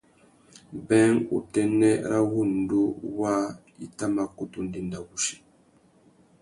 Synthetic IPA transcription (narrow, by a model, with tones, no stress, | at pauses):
bɛ˦ŋṵ˨tɛ˨nɛ˦ɾa˦ɣu˦˨n˨du˦wa˦ | i˦˨ta˦ma˨ku˦tu˦ndi˨nda˨wu˨ʃi̥˨